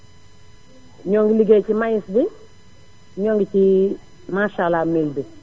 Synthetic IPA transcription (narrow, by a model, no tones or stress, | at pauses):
ɲɔŋɡliɡet͡ʃimajɪsdɪ | ɲɔŋɡt͡ʃi | maʃalamelbi